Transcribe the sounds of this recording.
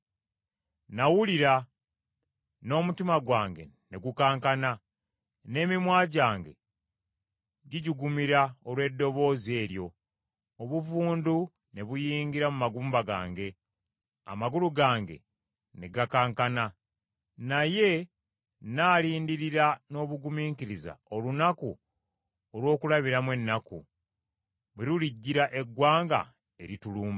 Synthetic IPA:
nawuliɾa | no̞ːmutimaɡwaːŋɡe̞̰ | ne̞ɡukaːŋkana | ne̞ːmimwaːɟaːŋɡe̞̰ | ɟiɟiɡumiɾaolwe̞dːo̞βo̞ːze̞ːɾjo̞ | oβuvuːndu | ne̞βujiːŋɡiɾamumaɡuːmbaɡa̰ːŋɡe̞ | a̰maɡuluɡaːŋɡe̞̰ | neɡakaːŋkana | naje̞ | naːliːndiɾiɾano̞ːβuɡumiːŋkiɾiza̰olunaku | olwo̞ːkulaβiɾamwe̞nːakṵ | βeɾuliɟːiɾaʔe̞ɡwaːŋɡa̰ | eɾituluːmba

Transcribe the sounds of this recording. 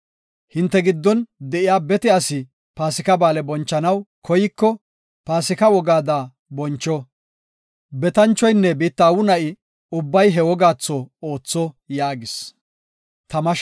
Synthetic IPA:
hɪnt̪ːɛɡɪd̪ːɔnd̪ɛʔɪjaːbɛt̪ɛɐsɪ | paːsɪkɐbaːlɛbɔnt͡ʃːɐnɐwkʰɔjɪkːɔ | paːsɪkɐwɔɡaːd̪aː | bɔnt͡ʃːɔ | bɛt̪ɐnt͡ʃːɔjnːɛbiːt̪ːɐːwʊnɐʔɪ | ʊbːɐjɦɛwɔɡaːt͡sːɔoːt͡sːɔ | jaːɡɪs | t̪ɐmɐʃ

